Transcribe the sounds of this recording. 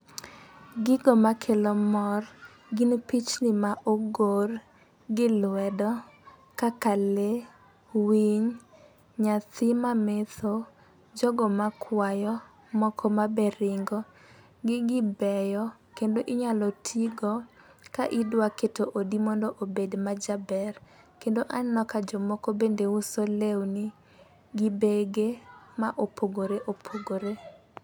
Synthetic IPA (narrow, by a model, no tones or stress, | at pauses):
ɡɪɡɔmakʰelomɔr | ɡinpit͡ʃnɪmaʔoɡor | ɡɪlwɛdɔ | kakale | wiɲ | ɲat̪ɪmamet̪o | d͡ʒɔɡɔmakʰwajɔ | mɔkʰɔmabɛɾɪŋɡɔ | ɡɪɡɪbɛjɔ | kendoʔɪɲalɔtʰiɡɔ | kaʔidwaketoʔodimɔndoʔobedmad͡ʒabɛr | kendoʔannɔkad͡ʒɔmɔkobendeusolewni | ɡɪbeɡemaʔopʰoɡoɾeʔopʰoɡoɾe